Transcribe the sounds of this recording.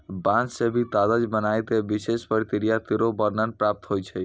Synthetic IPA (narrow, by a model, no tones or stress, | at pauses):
bãt͡ʃsebʱit̪ad̪əd͡ʒbənajt̪ebisespəɾt̪iɾijat̪iɾobəɾnənpɾap̚t̪ɦojt͡ʃʰəj